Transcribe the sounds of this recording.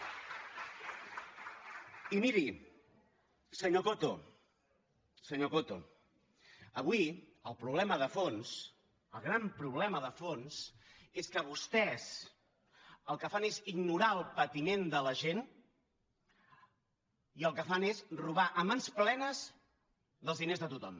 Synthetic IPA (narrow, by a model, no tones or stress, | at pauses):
imiɾi | səɲokot̪o | səɲokot̪o̰ | əβwi | əlˠpɾuβlɛməðəfons | əlˠɣ̞ɾampɾuβ̞lɛməðəfonseskəβ̞ust̪ɛs | əlˠkəfaneziɡnuɾaəlˠpət̪imend̪ələʒen | iəlˠkəfanesruβ̞aʔəmansplɛnəz | ðəlˠzðinezðət̪ut̪ɔm